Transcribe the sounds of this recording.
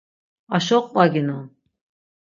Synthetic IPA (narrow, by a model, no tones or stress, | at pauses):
aʃɔqʼpʼaɡinɔ